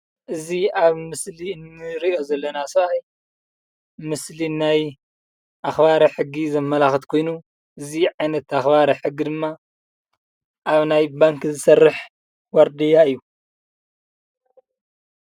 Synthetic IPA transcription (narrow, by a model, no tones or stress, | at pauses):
ʔɨziaβmɨsliɨnːɨɾio̞zɐlːɐnasɐaj | mɨslinaj | ʔaxbaɾɐħɨɡːizɐmːɐlaxɨt̪kʰo̞jnu | ʔɨziʕajnɐt̪axbaɾɐħɨɡːid̪ɨmːa | ʔaβnajbaŋkzɨsɐrːɨħ | wɐɾd̪ijaɨjːu